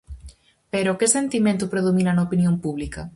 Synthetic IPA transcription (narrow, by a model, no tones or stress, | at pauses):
peɾokɪsent̪imẽnt̪ʊpɾeðominɐnɐopinjompuβlikɐ